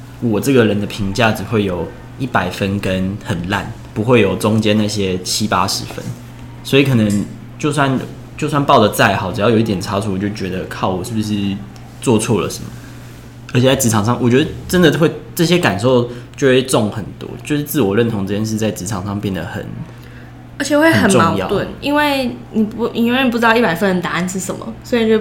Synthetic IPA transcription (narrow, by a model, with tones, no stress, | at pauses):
wɔ˨˩ʈ͡ʂɤ˥˩ɡə˩ɻə˧˦nd̪ə˧pʰi˧˥ŋt͡ɕja˥˩ʈ͡ʂɻ̩˨˩xwe˥˩ɪjo˨˩ʊ | i˥˩pa˨˩ɪfə˦˥nkə˦nhə˨˩nla̰˥˩n | pu˧˦xwe˥˩ɪjo˨˩ʊt͡sʊ˥ŋt͡ɕjɛ˥nːa˥˩ɕjɛ˥t͡ɕʰi˦˥pa̰˥ʂɻ̩˧˥fə̰˦˥n | swɔ˧˥i˨˥kʰɤ˨˩nə˧˦ŋ | t͡ɕjo˥˧ʊs̬wa˥˧n | t͡ɕjo˥˧ʊs̬wa˥˧npɑ˥˩ʊd̪ə˩t͡sa˥˩ɪxɑ˨˦ʊʈ͡ʂ̩˨jɑ˥˩jo˨˦i˥˩t̪jɛ˨˩nt͡sʰa˥t͡sʰu˧˦wɔ˨˩t͡ɕo˥˩t͡ɕɥɛ˧˥d̪ə˧kʰɑ˥˩ʊwɔ˨˩ʂɻ̩˥˩b̩˩ʂɻ̩˥˧ | t͡swɔ˥˧t͡sʰɔ˥˩lə̰˩ʂə˧˦nmə˩ | ə˧˥t͡ɕʰɛ˨˩t͡sa˥˩ɪt͡s̩ʰ˧˥ɑ˨ŋʂɑ˥˩ŋwɔ˨˩t͡ɕɥɛ˧˥d̪ə˧ʈ͡ʂə˦nd̪ə˨xwe˥˧ɪʈ͡ʂɤ˥˩ɕjɛ˦ka˨˩nʂo˥o˥˧ʊt͡ɕjo˥˧ʊxwe˥˧ɪʈ͡ʂʊ˥˨ŋxə˨˩nt̪wɔ̰˦˥t͡ɕjo˥˧ʊʂɻ̩˥˧t͡sɹ̩˥˩wɔ˨˩lə˥˩nt̪ʰʊ˧ŋt͡s̩˥˩t͡ɕjɛ˥nʂɻ̩˥˧t͡sa˥˩ɪt͡s̩˧˥ʈ͡ʂʰɑ˨˩ŋʂɑ˥˧ŋpjɛ˥˩nd̪ə̰˩xə̰˨˩n | ə˧˥t͡ɕʰɛ˨xwe˥˩ɪ˨˩xə˨˩nʈ͡ʂmɑ˥˧˥ʊjɑ̰˥˨t̪wə˥˨˩ni˦˥nwe˥˩ɪni˨˩pi˨˧˩wni˨˩pu˧˩ɻ̩˧˥ɑ˥˧ʊi˥˩pa˨˩ɪfə˥n˨˧˩t̪a˧˥˧nʂɻ̩˥˩ʂə˨˩nmə̰˦swɔ˧˥i˨˧n˨˩˧